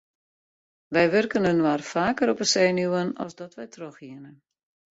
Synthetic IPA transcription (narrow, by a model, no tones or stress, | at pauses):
ʋɛjʋɵrkənønʋaːrfaːkəɾɔpəsɛjnuwənɔ̰zdɔtʋɛjtʰroxiənə